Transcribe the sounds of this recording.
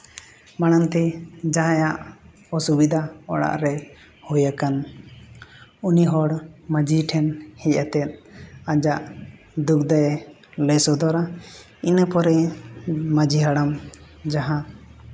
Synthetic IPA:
maɽant̪ɛd͡ʒaɦãjaʔ | ɔsubid̪ʱaɔ̰ɽa̰ʔɾɛ | hujakan | uniɦɔɽmad͡ʒiʈʰɛnhɛc̚at̪ɛt̪̚ˀad͡ʒaʔ | d̪uk̚d̪aj | ləsɔd̪ɔɾa | inəpɔɾɛ | mad͡ʒiɦaɽam | d͡ʒaɦãt̪

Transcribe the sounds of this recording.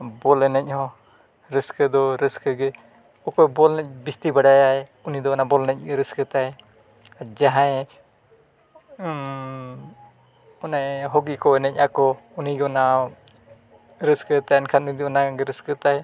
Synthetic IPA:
bɔlɛnɛc̚hɔ̃ | ɾəskəd̪ɔɾəskəɡɛ | upɛbɔlnɛc̚bist̪ibaɽajaɛunid̪ɔnabɔlnɛc̚ˀɾəskət̪aɛ | d͡ʒaɦãɛ | ɔnaɦɔɡikɔɛnɛc̚ˀakɔ | uniɡɔna | ɾəskət̪aɛnkʰanunid̪ɔɔnaɡɛɾəskət̪a

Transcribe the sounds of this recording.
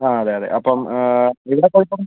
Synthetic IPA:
aːɐðeɐðḛʔɐpːɐmiʋiɽekːoɻiʈ̪ːun

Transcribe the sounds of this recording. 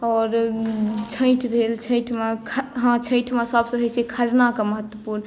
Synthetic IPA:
ɔɾ | t͡ʃʰə̃ɪʈʰbʱelt͡ʃʰə̃ɪʈʰmẽkʰɦãt͡ʃʰə̃ɪʈʰmẽsəbsə̃ɦəsekʰəɾnakeməɦət̪wəpuɾn

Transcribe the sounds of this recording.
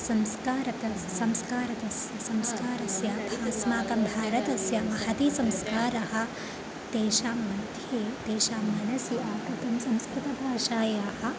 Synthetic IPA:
sɐmskaːɾɐt̪ɐ | sɐmskaːɾɐt̪ɐsjɐsɐmskaːɾɐsjɐbʱaːsmaːkɐmbʱaːɾɐt̪ɐsjɐmɐhɐt̪isɐmskaːɾɐɦɐ̆ | t̪eːʃaːmɐt̪ieːt̪eːʃaːmɐnɐsjiaːkɾɐt̪ɐmsɐ̃mskɾut̪ɐbʱaːʃaːjaːɦɐ̆

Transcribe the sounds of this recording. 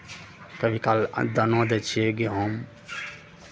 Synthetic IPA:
kəbʱikal̰d̪ənod̪et͡ʃʰieɡeɦom

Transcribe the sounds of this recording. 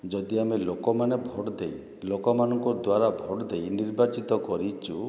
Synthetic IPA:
d͡ʒɔd̪iamelokɔmanebʱɔɽd̪ej | lokɔmanɔŋkɔd̪waɾabʱɔɽd̪ejniɾbat͡ʃit̪ɔkɔɾit͡ʃʰu

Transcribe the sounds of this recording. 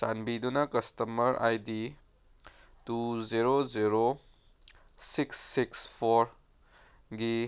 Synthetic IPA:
sanbidunɐkɐstɐmɐɾa̰jdi | tuziɾoziɾo | siksːikspʰoɾ | ɡi

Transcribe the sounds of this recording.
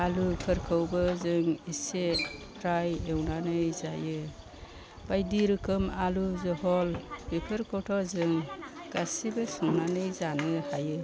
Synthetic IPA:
alupʰɯɾkʰɯwbɯzɯŋisepʰɾajewnanɯjzajɯ | b̥ajdiɾɯkʰɯmaluzɔɦɔlbipʰɯɾkʰɔwtʰɔzɯŋ | ɡ̥asibɯsɯŋnanɯjzanɯhajɯ

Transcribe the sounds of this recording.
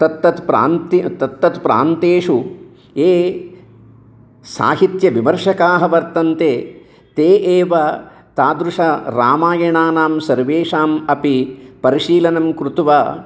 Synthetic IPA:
t̪ɐt̪ːɐt̪pɾa̰ːnt̪it̪ɐt̪ːɐt̪pɾa̰ːnt̪eːʂu | eː | sa̰ːɦit̪jɐʋimɐɾʂɐkaːɦɐʋɐɾt̪ɐnt̪eː | t̪eːʔeːʋɐ | t̪aːd̪ɾuʂɐɾa̰ːmaːjɐɳaːnaːmsɐɾʋeːʂaːmɐpipɐɾiʃiːlɐnɐmkɾut̪ʋaː

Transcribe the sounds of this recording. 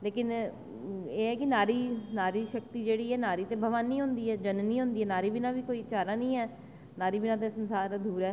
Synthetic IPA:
leːkɪn | eːɦɛːkɪnaːɾiːnaːɾiːʃək̚t̪iːd͡ʒeːɽiːɛːnaːɾiːt̪eːbʱəʋaːnːiːɦʊ̃nd̪iːɛːd͡ʒənniːɦʊ̃nd̪iːɛːnaːɾiːbɪnãːbiːkoːiːt͡ʃaːɾãːnəĩːɦɛː | naːɾiːbɪnãːt̪̬eːsənsaːɾd̪uːɾɛː

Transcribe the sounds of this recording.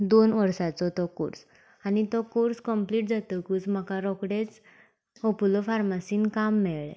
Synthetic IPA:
d̪onʋəɾsat͡sɔt̪ɔkṵɾs | añit̪ɔkuɾskəmpliʈ̚d͡zat̪əkuːt͡sm̤əkaɾɔkɽet͡s | opulɔfaɾmasiːnkamːɛɭɭɛ̰

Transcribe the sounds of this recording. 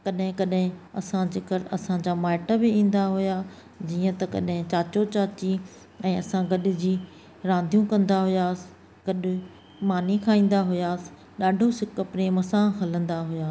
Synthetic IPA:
kɐɗɦɪ̃kɐɗɦɪ̃ɐsãd͡ʑɪkəɾɐsãd͡ʑaːmaːɪʈəbɪĩːn̆d̪aɦʊja | d͡ʑiːə̃t̪ɐkɐ̰ɗɦɪ̃t͡ɕaːt͡ɕot͡ɕaːt͡ɕi | ɛ̃ːɐsãɡɐɗɪ̆d͡ʑiː | ɾãːnd̪ʱjũkɐ̃nd̪aɦʊjaːsɪ̥ | ɡ̥ɐɗʊ̆ | maːnikʰaːĩːn̆d̪aɦʊjaːsɪ̥ | ɗaːɖʱosɪkəpɾemɐsãːɦɐlə̃nd̪aɦʊjaː

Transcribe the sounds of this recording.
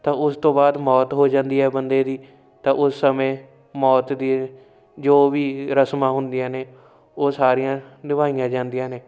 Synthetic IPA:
t̪ãːʊst̪õːbaːd̪mɔːt̪ɦoːd͡ʒãːnd̪iːɛːbənd̪eːd̪iː | t̪ãːʔʊsːəmẽː | mɔːt̪d̪iː | d͡ʒoːʋiːɾəsmãːɦʊnd̪ijãːneː | oːsaːɾɪjãːd̪ɪʋaːɪjãːd͡ʒãːnd̪ijãːneː

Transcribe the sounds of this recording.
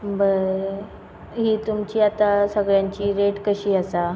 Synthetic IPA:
bəɾ | ɦiːt̪umt͡ɕiːat̪asəɡɭjaɲt͡ɕiːɾeʈkəɕiːəsa

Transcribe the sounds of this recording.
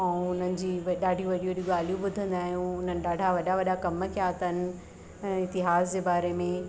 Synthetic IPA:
ɛ̃ʊn̤ənɪ̆d͡ʑiːʋɗaːɖʱijũʋɐɗiuʋɐɗiuɠaːl̤ijũɓʊd̪ʱə̃nd̪aːɦijũʊn̤ənɪ̆ɗaːɖʱaʋɐɗaʋɐɗakɐməkʰeaːɦt̪aɦnɪ̆ | ɪt̪ɪɦaːzd͡ʑeːbaːɾemẽ

